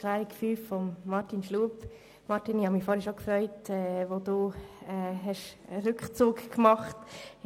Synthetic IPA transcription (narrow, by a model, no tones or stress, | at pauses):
klaːɾikfyːffɔmːɑɾtinʃluːp | mɑɾtinɪhɑmiːfɔːɾhɛəʃokfɾœʏtɛʋoduːɛːhɛʃɾʏkχt͡suːkkmɑχt